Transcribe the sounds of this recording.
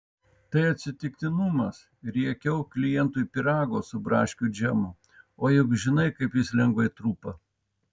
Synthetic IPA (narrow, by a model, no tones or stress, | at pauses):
t̪ɐɪɐt̪ʲsʲɪt̪ʲɪkt̪ʲɪnʊmɐs | ɾʲiɛkʲɛʊklʲɪjɛnt̪uːipʲɪɾɑːɡoːsʊbɾɑ̰ːʃʲkʲud͡ʒʲɛmʊ | oːjʊkʒʲɪnɐɪkɐɪpjɪslʲɛŋɡʋɐɪt̪ɾuːpɐ